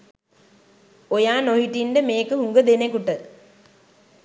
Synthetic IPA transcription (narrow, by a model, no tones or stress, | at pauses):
ojaːnoɦiʈːindemeːkːɨɦuŋɡɐd̪enekuʈːɐ